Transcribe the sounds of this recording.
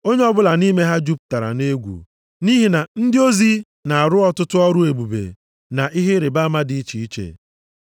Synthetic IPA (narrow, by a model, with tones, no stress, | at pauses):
o˦ɲe˦ɔ˦bʊ˦la˨ni˦me˦ɦa˦d͡ʒu˦p̚ta˨ɾa̰˨ne˦ɡʷṵ˨ | ni˦ɦi˨na˨n̩˦dɪ˦o˦zi˦ | na˨a˨ɾʊ˦ɔ˨tʊ˦tʊ˦ɔ˦ɾʊ˦e˨bu˨bḛ˨ | na˨ʔi˦ɦe˦ɾe˨ba˦ma˦dɪ˨˦i˦t͡ʃi˨i˦t͡ʃḛ˨